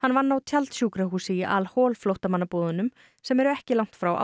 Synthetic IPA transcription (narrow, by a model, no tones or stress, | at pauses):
hanːvanːawt̪ʰjalt̪sjuːkɾaɦuːsɪiʔa̰lhɔːlflowht̪amanːapɔːðʏnʏm | sɛmɛɾʏɛhcɪlawŋ̥t̪fɾawʔa̰